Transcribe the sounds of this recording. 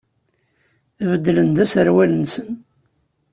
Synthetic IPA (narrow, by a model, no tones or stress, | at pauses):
vəd̪ːlənd̪æsəɾwælənsən